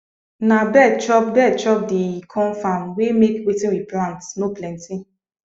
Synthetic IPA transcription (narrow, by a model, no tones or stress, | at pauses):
nabɛdt͡ʃɔp̚bɛdt͡ʃɔp̚dikʰɔ̃nfamwemekwetĩniplãntnoplɛ̃nti